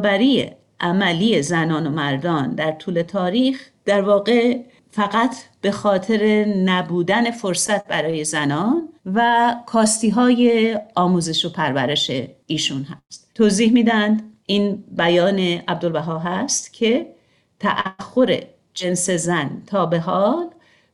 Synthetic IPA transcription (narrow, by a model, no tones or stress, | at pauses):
bæɾijḛ | ʔæmælije̞zænɒːno̞mæɾd̪ɒːnd̪æɾt̪ʰuːle̞t̪ʰɒːɾiːx | d̪̥æɾvɒːɣe̞ | fæɣæt̪ʰb̥e̞xɒːt̪ʰe̞ɾe̞næbuːd̪æne̞fo̞ɾsæt̪̚ʰbæɾɒːje̞zænɒːnvækʰɒːst̪iːɦɒːje̞ɒːmuːze̞ʃo̞pʰæɾvæɾe̞ʃeiːʃunɦæst̪t̪ʰːoːziːhmiːd̪ænd̪ʔiːnbæjɒːne̞ʔæb̚d̪olvæɦɒːɦæst̪cʰe̞ | t̪ʰæʔæxːo̞ɾḛ | d͡ʒe̞nse̞zænt̪ʰɒːbe̞ɦɒːl